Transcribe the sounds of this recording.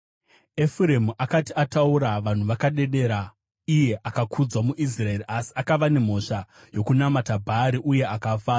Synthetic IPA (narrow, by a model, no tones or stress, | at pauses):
efuɾemuʔakatiatauɾaʋan̤uʋakaɗe̞ɗe̞ɾa | ije̞ʔakakʰud͡zwamuʔis̬rae̞ːɾiʔasi̥akaʋane̞m̤o̞ʂa | jo̞kunamatabʱaɾiʔuje̞akafaːra